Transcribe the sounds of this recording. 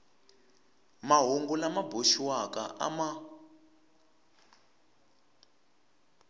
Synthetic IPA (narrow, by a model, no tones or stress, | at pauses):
maɦuŋɡulamaboʃiwaka̰ʔa̰ma